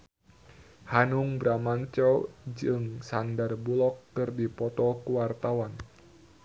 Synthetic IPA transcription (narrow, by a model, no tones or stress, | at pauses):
hanuŋbɾamaɲt͡ʃɔd͡ʒɨŋsandarbulɔkːɨrdipɔt̪ɔkuwart̪awan